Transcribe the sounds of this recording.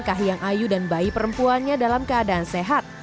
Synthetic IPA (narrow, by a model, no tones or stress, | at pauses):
nkaɦjaŋʔajudanbaipəɾəmpuanɲadalamkəadaːnseɦat̪̚